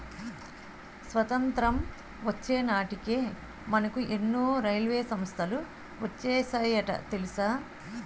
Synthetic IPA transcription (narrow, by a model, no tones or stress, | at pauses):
sʋɐt̪ɐnt̪ɾɐm | ʋɐt͡ʃːeːnaːʈikeː | mɐnɐkuʔenːuːɾɐjlʋeːsɐmst̪ʰɐlu | ʋɐt͡ʃːeːsɐjɐʈɐ̰t̪elisaː